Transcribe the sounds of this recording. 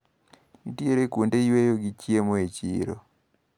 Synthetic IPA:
itieɾekwondeiwejoɡit͡ʃjemoet͡ʃḭɾo̰

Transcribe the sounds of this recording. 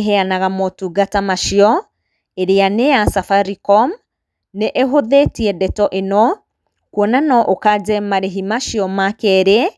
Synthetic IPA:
ɦɛanaɣamɔtuɡatamaʃiɔ | eɾeaneasafaɾikɔm | neʔeɦoðetiɛdɛtɔʔenɔ | kwɔnanɔʔokad͡ʒɛmaɾeɦimaʃiɔmakɛɾɛ

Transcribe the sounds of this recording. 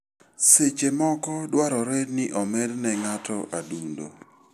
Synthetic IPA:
set͡ʃemɔkɔdwaɾɔɾɛdnɪʔɔmɛdnɛŋatɔʔadundo̰

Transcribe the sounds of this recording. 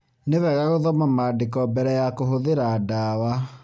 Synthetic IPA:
neβɛɣaɣoðɔmamaːdekɔbɛɾɛjakoɦoðeɾadaːwa

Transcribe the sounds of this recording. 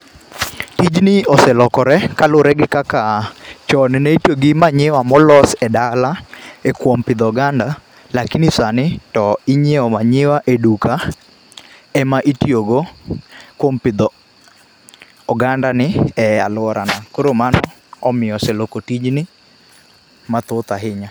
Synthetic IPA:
tid͡ʒnɪɔsɛlɔkɔɾɛkalʊɾɛɡɪkakat͡ʃɔnɛnɛitjoɡɪmaɲɪwamɔlɔsɛdalaekwompɪd̪ɔɡanda | lakinisanɪtɔiɲeɔmaɲɪwaʔeduka | ɛmaʔitjoɡo | kwompɪd̪ɔ | ɡandanɪɛa̰lʊwɔɾanakoɾomanɔ | ɔmɪɔsɛlokotid͡ʒnɪ | mat̪ʊt̪aɦɪɲa

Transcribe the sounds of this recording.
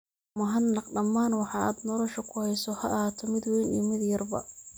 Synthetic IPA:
mʊɦɐnːɑqɖɐmːaːnwɑħɑa̰ːd̪nɔlɔʃɔkʰʊhɛjsɔhɐʔhaːt̪ʰɔmɪd̪wɛjnḭːmɪd̪jɐrbɐ̰

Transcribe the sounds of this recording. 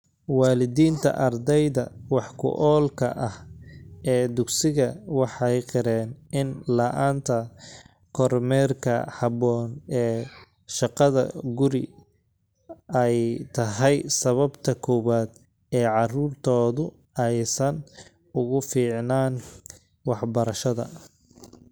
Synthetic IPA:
wɑːlɪðiːnt̪ʰɐ̰ʔɐrd̪ɛjðɐwɑħkʰʊ̰ʔɔːlkʰɐ̰ʔɐh | ɛːd̪ʊɡsɪɣɐwɑħɑjqɪɾɛːnɪnlɐʔaːnt̪ʰɐ | kʰɔrmɛrkʰɐ̰hɑβɔːnɛː | ʃɑqɑðɐ̰ɡʊɾɪ̰ | ɛjt̪ʰɐɦɛjsɐβɐbt̪ʰɐkʰɔːβaːd̪ | ɛːʕɑruːrt̪ʰɔːðʊ | ɛjsɐn | ʊɣʊfiːʕnaːn | wɑħbɐɾɐʃɐðɐ̰

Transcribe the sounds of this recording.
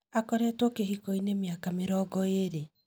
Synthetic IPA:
akɔɾɛtɔkeɦikoinemjakameɾɔɡɔeɾe

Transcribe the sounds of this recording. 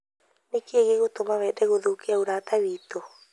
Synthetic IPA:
nekeeɣeɣotomaβɛdɛɣoðokeaoɾaːtawiːto

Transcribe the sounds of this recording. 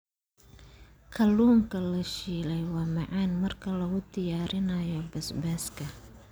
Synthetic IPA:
kʰɐluːŋkʰɐlɐʃiːlɛjwɑːmɑʕɑːnmɐrkʰɐlɐɣʊd̪ɪjaːɾɪnɐjɔbɛsbɛːskʰɐ

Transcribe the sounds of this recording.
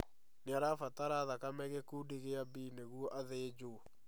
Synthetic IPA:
neaɾafataɾaðakamɛɣekudiɣeabiːneɣwɔʔaðed͡ʒo

